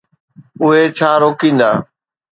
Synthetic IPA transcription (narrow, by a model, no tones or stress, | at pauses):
ʊɦet͡ɕʰaːɾoːkĩːnd̪aː